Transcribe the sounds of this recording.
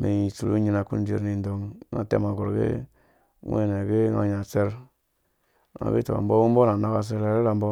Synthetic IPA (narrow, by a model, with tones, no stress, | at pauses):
me˨i˨su˨u˦ɲi˦na˨ku˦n˦d͡ʒe˨ɾni˨ndo˨ŋ˦ŋa̰˦tḛ˦ma˨ɡo˨ɾɡḛ˦ | ŋʷ˦ḛ˦ne˨ɡe˦ŋa̰˨ɲa˨se˦ɾ | ŋa̰˨ɡḭ˦to̰˨mbo˦wu˦m˦bo˦na˨na˦ka˦˨s̬e˦le˦ɾe˦ɾa˨mbo˦